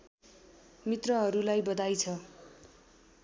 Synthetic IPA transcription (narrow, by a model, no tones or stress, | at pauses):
mit̪rʌɦʌɾulajbʌd̪ajt͡sʰʌ